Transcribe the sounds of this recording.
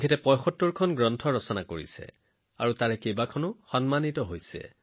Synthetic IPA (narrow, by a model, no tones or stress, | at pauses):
ɡʰʱetɛpɔjxɔtːuɹkʰɔnɡɹɔntʰɔɹɔsɔnakoɹḭsɛ̰ | a̰ɹutaɹɛkejbakʰɔnʊxɔnmanitɔɦojsɛ̰